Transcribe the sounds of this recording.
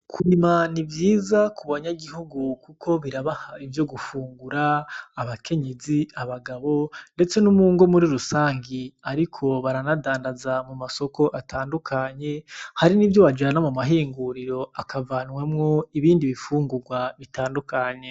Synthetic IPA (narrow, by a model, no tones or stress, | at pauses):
kʰwimanivjiːzakuβaɲaɡihuɡukukʰo̞βiɾaβahaivjo̞ɡufuːŋɡuɾaːβakʰe̞ɲeziaβaɡaβo̞nde̞t͡se̞numuːŋɡo̞muɾiɾusaːŋɡiaɾikʰo̞βaɾanadaːndazamumaso̞ko̞ʔatʰaːndukʰaɲe̞haɾinivjo̞βad͡ʒaanamumaɦiːŋɡuɾiɾo̞akavanwemŋo̞iβiːndiβifuːŋɡuɾɡwaβitaːndukaɲe̞